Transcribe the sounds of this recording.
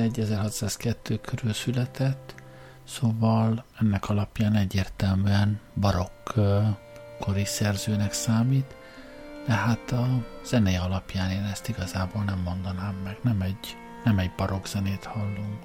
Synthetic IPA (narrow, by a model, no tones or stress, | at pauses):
ɛɟːɛzɛrhɒt̪saːskɛt̪ʰːøːkʰøɾylsylɛt̪ɛt̪ː | soːvɒlɛnːɛkɒlɒpjaːnɛɟːeːrt̪ɛlmyɛnbɒɾo̞k | o̞ɾisɛrzøːnɛksaːmiːt̪ | d̪ɛɦaːt̪ɒz̥ɛnɛɒlɒpjaːneːnɛst̪iɡɒzaːboːlnɛmːo̞nd̪ɒnaːmːɛɡnɛmɛɟ | nɛmɛɟbɒɾo̞ɡz̥ɛneːt̪hɒlːuŋk